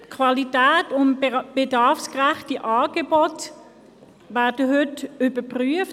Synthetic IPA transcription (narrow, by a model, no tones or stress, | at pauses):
kʰvalitæːtʊnb̥edɑʁfskʁɛχtiʔɑːɡ̥ebɔt | væːɐdəɦʏtʏbəpʁyəf